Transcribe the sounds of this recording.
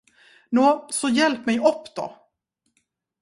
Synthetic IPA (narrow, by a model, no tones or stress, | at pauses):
nuːsɔjɛlpmɛjʔɔpːd̪ɔ̰